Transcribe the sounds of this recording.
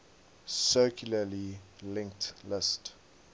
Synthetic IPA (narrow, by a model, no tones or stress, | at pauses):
sɜkʰjuləlilɪ̃ŋk̚tlɪst